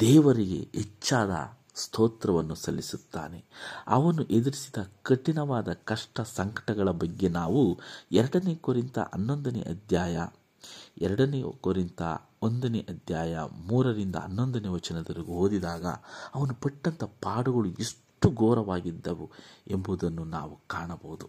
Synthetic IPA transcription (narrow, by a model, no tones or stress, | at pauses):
d̪ɛːʋɐɾiɡe̞̰et͡ʃːaːd̪ɐ̰ | st̪ʰoːt̪ɾɐʋɐnːusɐlːisut̪ːa̰ːne̞ɐ̰ʋɐnuʔed̪iɾisid̪ɐkɐʈinɐʋaːd̪ɐkɐʂʈɐsɐŋkɐ̥ʈɐɡɐɭɐbɐɡːe̞naːʋuɛɾɐɽɐneːkoɾint̪ɐ̰ʔɐnːond̪ɐnḛʔɐd̪ʱjaːjɐ̰ | ɛɾɐɽɐneːkoɾint̪ɐ̰ | ond̪ɐnḛʔɐd̪ʱjaːjɐ̰muːɾɐɾind̪ɐ̰ɐ̰nːond̪ɐneʋɐt͡ʃɐnɐd̪ɐɾiɡuɦoːd̪id̪aːɡɐ̰ɐʋɐnupɐʈːɐnt̪ɐpaːɽuɡɐɭuʔiʂ | ʈuɡoːɾɐʋaːɡid̪ːɐʋue̞mbuːd̪ɐnːuna̰ːʋukaːɳɐbɐʋud̪u